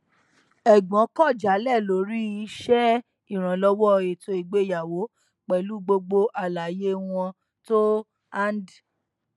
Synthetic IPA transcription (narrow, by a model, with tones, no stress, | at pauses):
ɛ˨ɡ͡bɔ̃˨˦kɔ˦˨d͡ʒa˨˦lɛ˦˨lo˨˦ɾi˦i˦ʃɛ˦ | i˦˨ɾ̃ã˨lɔ˧wɔ˦e˨tʰo˧˦i˨ɡ͡be˦˨ja˨wo˨˦ | k͡pɛ˨lu˨˦ɡ͡bo˧ɡ͡bo˧ʔa˨la˨jẽ˦˧ɔ̃˧ | to˦ | a˦n˦d